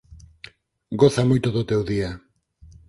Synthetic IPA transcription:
ɡoθamo̞jt̪oðot̪ewðia

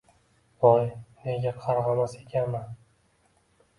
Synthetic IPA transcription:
bɒjne̞ɡʲaqʰɑɾʁɑmase̞kʲʰanman

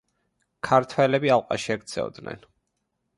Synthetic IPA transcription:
kʰaɾt̪ʰwɛlɛbialˠqʼa̰ʃiɛkt̪sʰɛ̰ɔd̪nɛ̰n

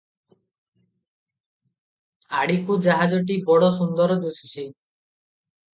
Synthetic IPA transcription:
aɽikud͡ʒaɦad͡ʒɔʈ̬ibɔɽɔsund̪ɔɾɔd̪usut͡ʃʰi

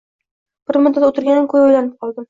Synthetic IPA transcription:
b̥ɪɾmʊd̪ːat̪ot̪ʰɪɾɡʲankʰɵjojlanɪp̚qʰɒlˠd̪ɪm

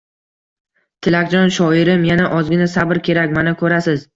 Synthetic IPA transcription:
t̪ʰɪlakʲt͡ʃɒnʃɒɪɾɪmjanaʔɒzɡʲɪnasabɪɾkʲʰe̞ɾakʲmanakʰɵɾasɪz

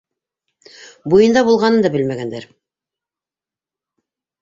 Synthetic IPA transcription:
bujɤ̆nd̪ɑβulˠʁɑnɤnd̪ɑbɘlmæɡænd̪æɾ

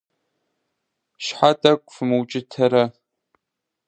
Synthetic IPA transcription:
ʃħatʼɐkʷʼfɨmɨwt͡ʃʼɪtʰɐɾɐ

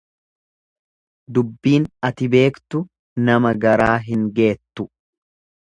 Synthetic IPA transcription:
d̪ʊbːiːnɐt̪ɪbe̞ːkt̪ʊ | nɐmɐɡɐɾaːɦɪŋɡe̞ːt̪ːʊ

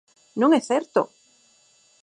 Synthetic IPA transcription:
nũŋesθeɾt̪o

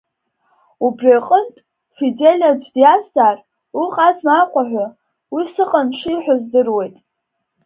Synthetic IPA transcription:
ubraqʼəntʼ | fidelʲad͡ʒʷdiaszaːr | uqʼazmaqʷʼaħʷa | wisɨqʼanʂiħʷazdɨrwe̞jtʼ

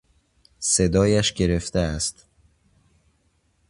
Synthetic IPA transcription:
se̞d̪ɒːjæʃɟe̞ɾe̞ft̪eæst̪

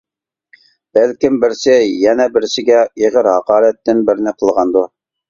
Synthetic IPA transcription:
b̥ælkʲɪmbɪɾsɪjɛnɛbɪɾsɪɡʲɛeʁəɾhɑqɑːɾɛt̪ːɪnbɪɾnɪqʰəlˠʁɑnd̪u

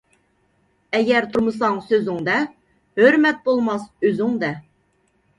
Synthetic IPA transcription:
ɛɡʲɛɾt̪ʰuɾmɨsɑŋsøzɪŋd̪ɛ | høɾmɛt̪̚bolˠmɑsøzɪŋd̪ɛ

